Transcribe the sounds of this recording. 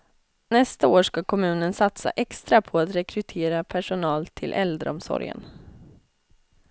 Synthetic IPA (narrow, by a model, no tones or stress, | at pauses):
nɛst̪aoːʂkakʰɔmʉ̟ːnənsat̪sa̰ʔɛkst̪ɾapʰɔat̪ɾɛkɾɵt̪ʰeːɾapʰæʂʊnɑːlt̪ʰɪlʔɛld̪ɾə̰ɔmsɔ̰ɾjə̰n